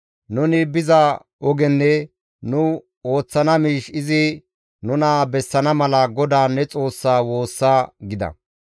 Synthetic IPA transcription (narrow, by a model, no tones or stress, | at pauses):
nʊnɪbɪzɐ | ʔɔɡɛnːɛ | nʊ | o̞ːt͡sːɐnɐmiːʃɪzɪ | nʊnaːbɛsːɐnɐmɐlɐɡɔd̪aːnːɛt͡sʼo̞ːsːaːwo̞ːsːaːɡɪd̪ɐ̰